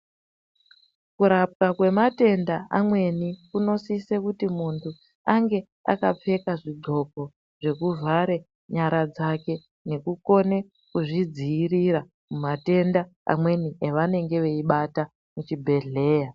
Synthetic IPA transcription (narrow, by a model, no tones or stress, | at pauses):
kuɾap̚kakwe̞mate̞ndaamwe̞nikuno̞sise̞kutimuntʰu | aŋɡe̞ | a̰kap͡fe̞kaʐiɡ͡ǃʱo̞k̚o̞ | ʐ̥e̞kuvʱaɾe | ɲaɾad͡zake̞ | ne̞kuko̞ne̞ | kuʐid͡ziːriɾa | mumate̞ndaa̰mwe̞nieʋane̞ŋɡe̞ʋe̞iɓata | mut͡ʃibʱe̞ɮe̞ːja